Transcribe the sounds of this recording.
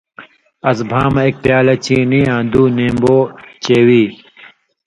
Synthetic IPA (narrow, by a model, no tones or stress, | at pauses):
ɐsbʱaːmɐek̚pjaːlɐt͡ɕiːniːãːd̪uːnẽːmboːt͡ɕeːwiː